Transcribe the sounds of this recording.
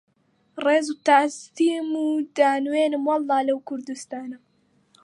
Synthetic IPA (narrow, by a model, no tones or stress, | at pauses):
reːzut̪ast̪iːmud̪aːnweːnɨmwɑlːɑːlɐwkʰʊɾd̪ust̪aːnɐ